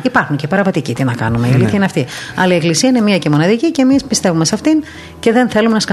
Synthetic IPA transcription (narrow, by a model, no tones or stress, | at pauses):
ipɐɾxuɲcepɐɾɐvɐt̪icit̪inɐkɐ̰numeiɐliθçɐineɐft̪iɐ̰lɐieklisiɐine̞miɐcemo̞nɐðicice̞mispist̪e̞vume̞sɐft̪in | ce̞ðe̞nθe̞lumenɐskɐ